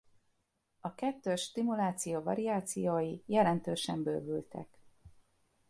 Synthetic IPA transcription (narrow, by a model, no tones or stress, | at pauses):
ɒkɛt̪ːøːʃːt̪imulaːt̪sijoːvɒ̰ɾiaːt̪sijoːjijɛlɛnt̪øːʃɛmbø̰ːvylt̪ʰɛ̰k